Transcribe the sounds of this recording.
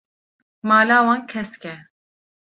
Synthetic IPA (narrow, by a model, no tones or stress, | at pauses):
maːlaːwɑːnkʰɛskɛ